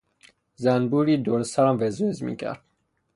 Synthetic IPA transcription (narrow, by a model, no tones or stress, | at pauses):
zænbuːɾiːd̪oɾsæɾæmvezveezmḭːcʰæ̰ɾd̪̥